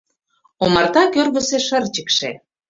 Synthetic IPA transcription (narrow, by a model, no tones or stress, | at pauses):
omɑrt̪ɑkørβə̆seʃə̆rt͡ɕə̆kʃe